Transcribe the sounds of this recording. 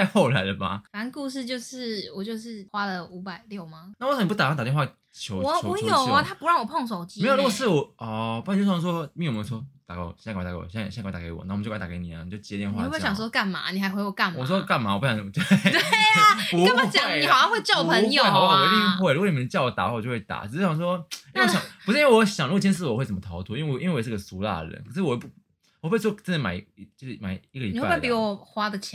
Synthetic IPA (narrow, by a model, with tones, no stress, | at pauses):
a˥˧ɪxɔ˥˧ʊla̰˨˦ɪlə˧ma̰˨˩na˧˥nku˥˧ʂ̬ɻ̩˥˧t͡ɕjo˥˧ʊʂɻ̩˥˩wɔ˨˩t͡ɕjo˥˧ʊʂɻ̩˥˩xwa˥lə˨u˧˥pa˨˩ɪljo˥˩ʊma˩na˥˩wsn˨˧pu˥t̪a˨ã˥t̪a˨˩t̪jn˥wa˥˩ | t͡ɕʰjo˧˦ʊɔ˨˧˦u˧jo˨˩ma˧˦t̪ʰa˦˥pu˧ɻɑ˥˩ŋwɔ˨˩pʰɔ˥˩ŋs̬o˨˩ʊt͡ɕi˥me˧˥jo˨ɾɡsɹ̩˥˨wɔ˨˩ɔ˩pu˥˧˨jsswɔ˥m˥˧˨m˧n˥˩swɔ˥t̪a˨kw̰jk̪ːa̰˨˩˥ɔ̰˨˩˨kt̪a˨kḛ˧˦ɪwɔ̰˨na˥˩˨t͡ɕo˥˧˥a˨ke˧˦ni˨˩a̰˨˦ni˨˩t͡ɕjo˥˩t͡ɕjɛ˧˥t̪jɛ˥˧nwa˧˥˩ɕɑ˨ŋswɔ˥ka˥˩nma̰˨˦ni˨˩a˧˥ɪxwe˧˥ɪwɔ˨˩ka˥˩nm˨ɔ˨˩s̬wɔ˧˥˧ka˥˩nma˨˧˦wpʰːjɑ˨˩t̪e˥e˩t̪we˥˩pu˧˦˥ji˨hɑ˨˩jɑ˥˧ŋxwe˥˧ɪt͡ɕo˥˩pʰə˧joe˨˥ɪ˧˥˩i˥˧xwe˥˩ɪu˥ɡɔ˧ni˨˩ə˧˦t͡ɕjɑ˥˧ʊwɔ˦˩t̪a̰˨˦wa˥˩˨ɔ˨t͡ɕo˥˧wt̪a̰˨˩˨ɕjɑ˨˩swɔ˦˥i˥˩˧jɑ˨˧˨u˧ʂ̩˥i˥wwɕjɑ˨ŋlu˥ɡo˨t͡ɕʰjɛ˥ns̬ɹ̩˥˨wɔ˨˩we˥˩ɪt͡sə˩mə˦t̪ʰɑ˧˥ʊt̪ʰu˥˦i˦nwe˥˩i˥nwe˧˨˩ʂ̩˥˧˩ɡə˨su˧˥la̰˥˩ɻə̰˧˦nkʰə˨˩ʂ̩˥˩wɔ˨˩˥ | wɔ˨˩xwe˥˩s̬wɔ˥t͡sə˥˩nə˧˦ma̰˨˩ɪ˧t͡ɕma˨˩ɪi˧˥ɡə˨li˨˧wa˥wpi˧˥wɔ˨˩xwa˥d̪ə˨t͡ɕʰ